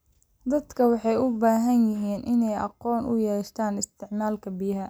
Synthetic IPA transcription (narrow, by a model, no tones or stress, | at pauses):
d̪ɐd̪kʰɐwɑħɑjʊbaːɦɐnjɪɦiːnʔɪnɛjʔɑ̰qɔːnʔʊ̰jɛːʃt̪ʰaːnɪst̪ʰɪʕmaːlkʰɐbɪjɐɦɐ